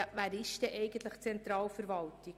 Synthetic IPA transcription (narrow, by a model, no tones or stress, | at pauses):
ʋæːɾɪʃd̥ɛʔɛjɡən̩t̪ləχt͡sɛnt̪ɾɑːlfəɾʋɑltɪ